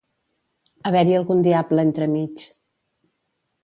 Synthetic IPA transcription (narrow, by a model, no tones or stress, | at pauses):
əβɛɾiəlˠɣund̪iabləent̪ɾəmit͡ʃ